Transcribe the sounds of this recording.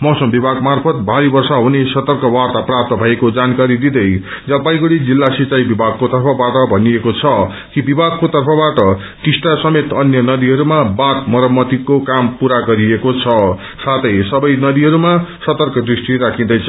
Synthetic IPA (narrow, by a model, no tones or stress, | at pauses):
mʌwsʌmbibʱaɡmarpʰʌt̪̚bʱaɾibʌrsaɦunesʌt̪ʌrkʌwart̪aprap̚t̪ʌbʱʌekod͡zankaɾid̪id̪ʌj | d͡zʌpaj̃ɡuɽid͡zilːasit͡saibibʱaɡ̚kot̪ʌrpʰʌbaʈʌbʱʌniekot͡sʰʌ | kibibʱaɡ̚kot̪ʌrpʰʌbaʈʌ | t̪isʈasʌmet̪ʌnjʌnʌd̪iɦʌɾumabat̪mʌɾʌmːʌt̪ikokampuɾaɡʌɾiekot͡sʰʌ | sat̪ʰʌjsʌbʌjnʌd̪iɦʌɾumasʌt̪ʌrkʌd̪risʈiɾakʰĩd̪ʌjt͡sʰʌ